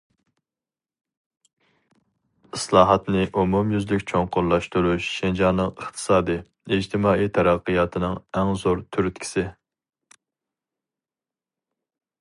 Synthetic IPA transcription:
ɨslˠɑːɦɑt̪nɪʔumumjyzlykʲt͡ʃʰoŋqʊɾlˠɑʃt̪uɾuʃʃend͡ʒɑːnːɨŋəχt̪ʰɨ̥sɑːd̪ɨ | id͡ʒt̪ʰɪmɑːʔit̪ʰɛɾæqːəjɑːt̪ʰɨnɨŋɛŋzoɾt̪ʰyɾt̪kʲʰi̥sɪ

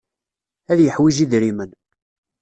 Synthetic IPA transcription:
æðjəħwiʒiðɾimən

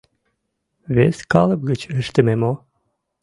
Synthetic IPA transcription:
βeskɑlˠəb̚ɣət͡ɕəʃt̪əmemo

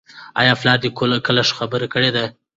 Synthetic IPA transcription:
ɑ̰jɑflɑd̪ikolakəlaʂxabəɾekəɽed̪a

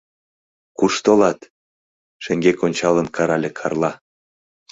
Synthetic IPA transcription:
kuʃt̪olɑt̪ | ʃeŋɡekonʲt͡ɕɑlənkʰɑɾɑlʲekʰɑ̰rlˠɑ

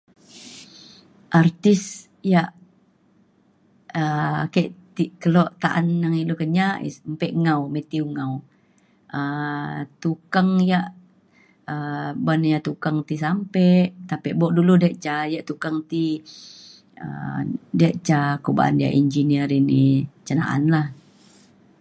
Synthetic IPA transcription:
ʔart̪is | jaʔ | əkaʔt̪ikəlɔʔt̪aʔanːaŋiʔlukəɲaʔḭsmpɛʔŋawmet̪iuŋaw | ə | t̪ukaŋjaʔ | əbanjaʔt̪ukaŋt̪is̬ampɛʔt̪apɛʔbɔʔduludɛʔt͡ʃajaʔt̪ukaŋt̪i | ə̰daʔt͡ʃakoba̰ʔa̰ndia̰ʔind͡ʒiniəɾinit͡ʃəna̰ʔa̰nlah

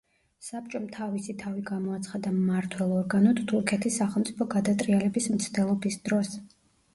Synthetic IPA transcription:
sap̚t͡ʃʼɔmt̪ʰavisit̪ʰaviɡamɔat̪sʰχad̪amːaɾt̪ʰwɛlˠɔɾɡanɔt̪t̪ʰuɾkʰɛt̪ʰisːaχɛlˠmt̪sʼipʰɔɡad̪at̪ʼɾʼialɛbismt̪sʰd̪ɛlˠɔbisd̪̥ɾɔs

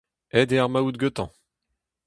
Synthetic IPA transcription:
ɛd̪eaʁmaud̪̚ɡøt̪ɑ̃

